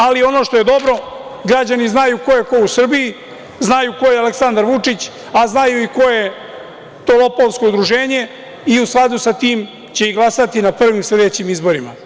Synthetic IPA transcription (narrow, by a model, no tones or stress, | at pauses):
alio̞no̞ʃt̪o̞je̞d̪o̞bɾo̞ɡɾad͡ʑaniznajuko̞jeko̞usr̩bii | znajuko̞jealeksand̪aɾʋut͡ʂit͡ɕ | aznajuiko̞je̞ | t̪o̞lo̞polˠsko̞ud̪ɾuʒe̞ːɲe̞ | iusklˠad̪usat̪iːm | t͡ɕe̞iɡlˠasat̪inapr̩ʋimsle̞d̪e̞t͡ɕimizbo̞ɾima̰